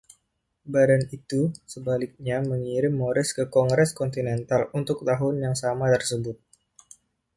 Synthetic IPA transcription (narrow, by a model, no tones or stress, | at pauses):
badanit̪usəbalɪk̚ɲaməŋiɾɪmːoɾɪskəkɔŋɡɾɛskɔnt̪inɛnt̪alunt̪ʊk̚t̪aɦʊnjaŋsamat̪ərsəbʊt̪̚